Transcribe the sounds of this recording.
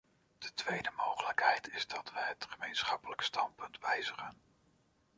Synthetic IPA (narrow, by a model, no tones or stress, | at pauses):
d̥ətʋejdəmowχələkɦɛjtʰɪzdɑtʋəjɦətχəmejnsχɑpələkstɑnpɵntʋɛjzəχən